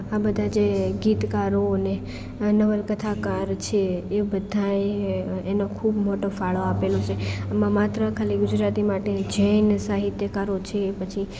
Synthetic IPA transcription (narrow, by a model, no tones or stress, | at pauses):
abəd̪ʱad͡ʒeɡit̪kaɾoəne | nəʋəlkət̪ʰakaɾt͡ʃʰeːbəd̪ʱaeenokʰubmoʈofaɭoapelot͡ʃʰeamãmat̪ɾəkʰaliɡʊd͡ʒɾat̪imaʈed͡ʒəjnsaɦit̪jəkaɾot͡ʃʰeːpət͡ʃʰi